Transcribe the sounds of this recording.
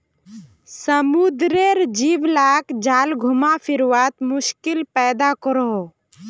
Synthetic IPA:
səmud̪ɾeɾd͡ʒiːʋlaːkd͡ʒaːlɡʱʊmafʰɪɾʋaːt̪mʊʃkɪlpɛːd̪akɔɾɦo

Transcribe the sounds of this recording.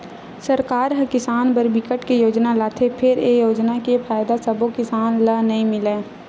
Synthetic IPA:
səɾkaːɾɦɐkɪsaːnbəɾbɪkəʈkejoːd͡ʒnalaːt̪ʰepʰɪɾejoːd͡ʒnakepʰaːjd̪asəbõkɪsaːnlənɐɦĩmɪleː

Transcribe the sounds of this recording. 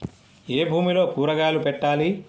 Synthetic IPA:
eːbʱuːmilo̞ːpuːɾɐɡaːlupɛʈːaːli

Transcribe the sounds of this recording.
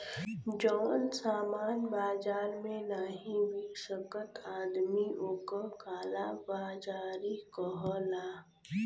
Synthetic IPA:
d͡ʒɔːnsaːmaːnbaːd͡ʒaːlmẽnaːɦĩwiʃəkət̪aːd̪mioːkəkaːlabaːd͡ʒaːɾikəɦɔlaː

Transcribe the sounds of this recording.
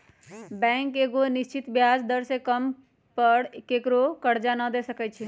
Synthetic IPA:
bɛ̃ŋkeɡoniʃt͡ʃit̪bjaːd͡ʒd̪əɾsekəm | pəɽkekɾokəɽd͡ʒanəd̪esəkɛt͡ʃʰi

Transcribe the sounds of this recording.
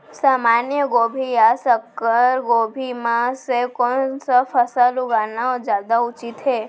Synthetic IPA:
saːmaːnjəɡoːbʱijasəkːəɾɡoːbʱimãsekɔnsafʰəsalʊɡaːnaɔːɾd͡ʒjaːd̪aʊt͡ʃɪt̪ɦeː

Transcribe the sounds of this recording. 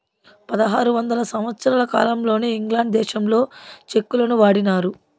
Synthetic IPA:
pɐd̪ɐɦaːɾuʋɐnd̪ɐlɐsɐmʋɐt̪sɐɾaːlɐka̰ːlɐmlo̞ːneːiŋɡlaːɳɖd̪ɛːʃɐmlo̞ːt͡ʃe̞kːulɐnuʋaːɽinaːɾu

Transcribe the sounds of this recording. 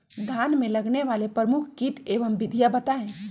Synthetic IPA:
d̪ʱjaːnmẽləɡneʋaːlepɾəmukʰkiʈeːʋəmbɪd̪ʱijabət̪aẽ

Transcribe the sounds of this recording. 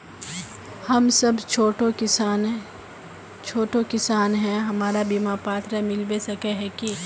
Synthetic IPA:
hɐmsɐbt͡ʃʰoːʈoɪn | t͡ʃʰoːʈokɪsaːnɦɛ̃ɦɐmaːɾabimapaːt̪ɾəmɪlbesɐkeɦɛ̃ki

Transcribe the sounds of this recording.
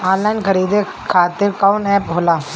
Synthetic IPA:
ãːlaːnkəɾiːd̪e | kʰaːt̪ɪɾkaʊnɛːpɦoːlaː

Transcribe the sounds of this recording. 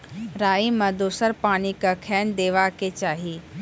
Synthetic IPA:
ɾaːimɐ̃d̪oːsəɾpaːnikakʰɛːnd̪eːʋaket͡ʃaːɦi

